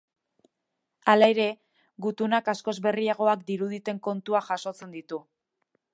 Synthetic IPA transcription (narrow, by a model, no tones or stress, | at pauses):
alaeɾe̞ | ɡut̪unakasko̞zβe̞riaɣ̞o̞akd̪iɾuð̞it̪e̞ŋko̞nt̪uaʝaso̞t͡se̞nd̪it̪u